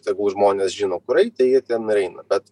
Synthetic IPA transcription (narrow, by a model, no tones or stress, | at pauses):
t̪jɛɡʊʒmoːnʲeːsʒʲiːnoːkʊɾɐɪt̪ʲɐɪjiɛt̪ʲiɛnɾʲɛɪnɐbʲɛt̪